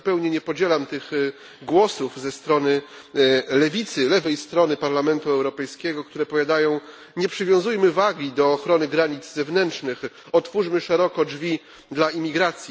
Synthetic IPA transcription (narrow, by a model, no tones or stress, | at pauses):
pɛwɲɛɲɛpɔd͡ʑɛlamt̪ɘɣ | ɡwɔsufzɛst̪ɾɔnɘ | lɛvʲit̪sɘlɛvɛjst̪ɾɔnɘpaɾlamɛnt̪uɛwɾɔpɛjskʲɛɡɔk̚t̪uɾɛpɔvjad̪ajɔ̃w̃ | ɲɛpʂɘvʲjɔ̃w̃zujmɘvaɡʲid̪ɔːxɾɔnɘɡɾaɲid̪zzɛvnɛntt͡ʂnɘx | ɔt̪fuʐmɘʂɛɾɔkɔd͡ʐvʲi | d̪laimʲiɡɾat̪sʲji